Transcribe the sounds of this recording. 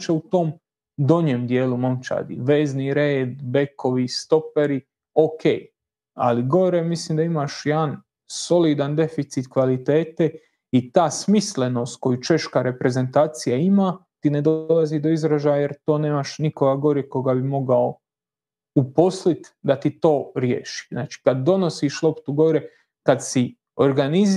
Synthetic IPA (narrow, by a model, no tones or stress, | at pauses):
t͡ʃeut̪o̞ːm | d̪o̞ɲeːmd̪je̞ːlumomt͡ʃa̰d̪ḭʋe̞ːzniɾeːd̪be̞ko̞ʋist̪o̞peɾi | oke̞̰ːj | a̰liɡo̞ɾemisliːmd̪aimaʃjean | so̞lid̪and̪e̞fit̪sit̪kʋalit̪e̞ːt̪e | it̪aːsmisle̞no̞ːst̪̚ko̞jut͡ʃe̞ʃkaɾe̞pɾe̞ze̞nt̪aːt̪sijaimat̪ine̞d̪oolˠazid̪o̞izɾaʒajaje̞ɾt̪o̞ːne̞ːmaʃnikoɡaɡo̞ɾiko̞ɡabimo̞ɡao | upo̞slit̪d̪at̪it̪o̞ːɾjḛːʃi̥znaːt͡ʃi̥kad̪ːo̞no̞siʃlˠo̞pt̪uɡo̞ɾe | kad̪si | o̞ɾɡaniz